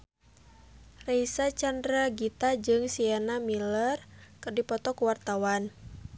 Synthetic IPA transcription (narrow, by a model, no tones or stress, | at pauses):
reisat͡ʃandɾaɡit̪ad͡ʒɨŋsianamilərkɨrdipɔt̪ɔkuwart̪awan